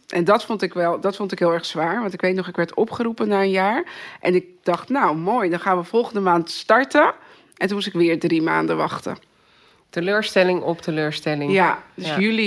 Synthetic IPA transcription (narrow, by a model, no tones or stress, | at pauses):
ʔɛndɑtfɔntɪkʋɛlˠdɑtfɔntɪkɦɪːlˠɛɹχsʋaːɹʋɑntɪkʋejtnɔχɪkʋɛɹtɔpχəɾupənaːənjaːɹʔɛnɪk̚d̥ɑχtnawmoːjdɑnχaːnʋəfɔlˠχəndəmaːntstɑɹtə | ʔɛntunmut̬ɪkʋɪːɹdrima̰ːndəʋɑχtə̰ | təløːɹstɛlɪŋɔptəløːɹstɛlɪŋjadøsjyli